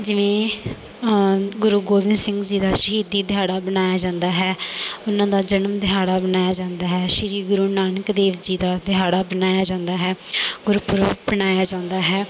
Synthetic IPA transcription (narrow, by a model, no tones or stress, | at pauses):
d͡ʒɪʋẽː | ɡʊɾuːɡoːʋɪnd̪sɪ̃ŋɡd͡ʒiːd̪aːʃəɦiːd̪iːd̪ɪɦaːɽaːbənaːjaːd͡ʒãːnd̪aːɦɛːʊnãːd̪aːd͡ʒənəmd̪ɪɦaːɽaːbənaːjaːd͡ʒãːnd̪aːɦɛːʃɪɾiːɡʊɾuːnaːnəkd̪eːʋd͡ʒiːd̪aːd̪ɪɦaːɽaːbənaːjaːd͡ʒãːnd̪aːɦɛːɡʊɾuːpʊɾəbənaːjaːd͡ʒãːnd̪aːɦɛː